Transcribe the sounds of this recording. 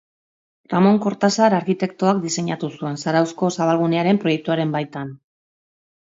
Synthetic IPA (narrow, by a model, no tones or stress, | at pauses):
ramo̞ŋko̞ɾt̪asaɾaɾkit̪e̞kt̪oak̚d̪ise̞ɲat̪usue̞nsaɾawsko̞saβalɣ̞uneaɾe̞mpɾo̞je̞k̚t̪uaɾe̞mbajt̪an